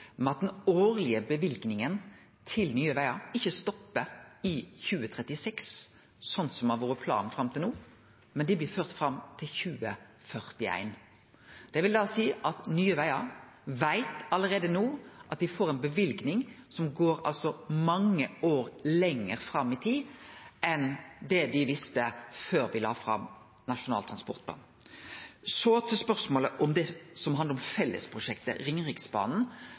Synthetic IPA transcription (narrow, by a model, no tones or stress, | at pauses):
mɛɑt̪̚d̪ɛnoːʁlɪəbəʋɪlɡnɪŋən | t̪ʰɪlnyːəʋæɪɑɪçːəst̪ɔpːəɪçʉːət̪ʰʁɛt̪ːɪsɛks | sɔnsɔmɑʋoːɾəpʰlɑ̰ːnfɾɑmt̪ʰɪluː | mɛnd̪ɪblɪːføːʁt̪fɾɑmt̪ʰɪlçʉːə | fœʁt̪ɪæ̰ɪn | d̪̥ɛʋɪld̪ɑːsiːʔɑt̪nyːəʋæɪɑʋæɪt̪ɑləɾeːd̪ənuːʔɑt̪̚d̪ɪfoːɾɛɪnbəʋɪlɡnɪŋ | sɔmɡoːɾɑ̰lsɔmɑŋːəoːɾlɛŋːəɾfɾɑmːɪt̪ʰiːʔɛnd̪ɛd̪ɪʋɪst̪əføːɾʋɪlɑ̰ːfɾɑ̰m | nɑʃʊnɑ̰ːlt̪ʰɾɑnspɔʁt̪pʰlɑ̰ːn | sɔt̪ʰɪspœʁsmoːləʔɔmd̪ɛsɔmhɑnd̪əʁɔmfɛlːə̰spʰʁʊʂɛkt̪ə̰ɾɪŋʁɪksbɑ̰ːnn̩